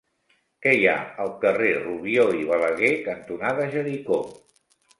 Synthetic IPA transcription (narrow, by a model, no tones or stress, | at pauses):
kɛja̰əlˠkəreruβ̞ioiβələɣekənt̪unaðəʒəɾiko